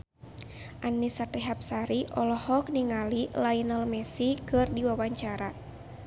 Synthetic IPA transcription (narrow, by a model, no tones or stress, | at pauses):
ʔanːisat̪iɦap̚saɾiʔɔlɔhɔk̚niŋalilainalmɛsikɨrdiwawaɲt͡ʃaɾa